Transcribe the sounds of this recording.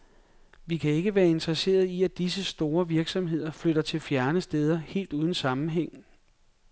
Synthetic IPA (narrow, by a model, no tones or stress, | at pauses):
ʋikʰæe̝ɡ̥əʋæːɐe̝nd̥ʁɐse̝̰ːɐð̞ˠiæd̥isəsd̥o̝ːɐʋiɐɡ̥sɒ̽mɦe̝ð̰ˠɐfløɾɐt͡sʰe̝lfjæɐnəsd̥eð̞ˠɐhe̝̰ːld̥uːð̞ˠn̩sɑ̈mn̩ɦeŋ̰n̩